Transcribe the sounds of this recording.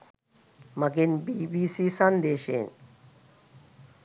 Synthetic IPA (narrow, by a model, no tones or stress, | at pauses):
mɐɡinbibiːsisɐnd̪eːʃḛːn